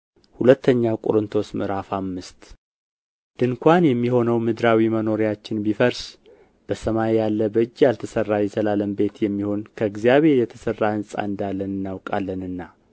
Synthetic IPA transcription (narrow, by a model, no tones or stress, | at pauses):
hulət̪ʰːəɲːakʼo̰ɾɨnt̪ʰo̞smɨɾafamːɨst̪ | d̪̥ɨŋkʷʰanjɛmːiho̞nəwmɨd̪ɾawiməno̞ɾijat͡ʃːɪnbifəɾs | b̥əsəmajjalːəbəd͡ʒːjalt̪ʰəsərːajɛsəlaləmbe̞t̪jɛmːiho̞nkʰəɨɡzijaβe̞ɾjɛt̪ʰəsərːahɨnsʼa̰ɨnd̪alːənɨnːawkʼalːənɨnːa